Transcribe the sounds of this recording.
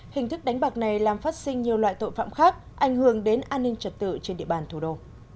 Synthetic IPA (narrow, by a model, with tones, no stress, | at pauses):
hï˨˩ŋ̟t̪ɨ˦˥k̚ɗa˨˦ŋ̟ɓa˨˩k̚na˨˩jlaː˨˩mfaː˦˥t̚sï˧ŋ̟ɲi˨˩əwlwa̰ː˧˨jt̪o̰˧˨jfa̰ː˧˨mxaː˦˥k̚ | ʔa˧˩jŋ̟hɨ˧˩əŋɗe˨˦nʔaː˧nːï˧ŋt͡ɕə˨˩t̚t̪ɨ̰˧˨t͡ɕe˧nɗḭ˧˨əɓaː˨˩nt̪ʰu˧˩ɗo˧